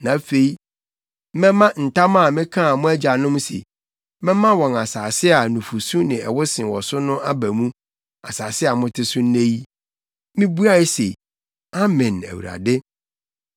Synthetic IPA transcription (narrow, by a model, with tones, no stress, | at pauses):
nã˨˦fe˨i˦ | mɛ̃˦mã˦n̩˨tʰa˦mã˦a˨mɪ̃˦kʰã˦˨mʊ̃˦æ˦d͡ʑa˨nʊ̃˦msḛ˨˦ | mɛ̃˦mã˦wɔ̃˨na˨saː˨sɪ˦a˨nũ˨fu˨su˦nɪ̃˨ɛ̰˨wʊ˦sɪ̃˨wɔ˨sʊ˦nʊ̃˦ʔa˦bæ˨mũ˦ | a̰˨saː˨sɪ˦a˨mʊ̃˦tʰɪ˦sʊ̃˦n̩˦nẽ˦ji˦ | mɪ̃˦bu˦a˦ɪ˦sḛ˨ | a˦mɛ̃˨næ̰˨wṵ˨ɾa̰˨dɪ˦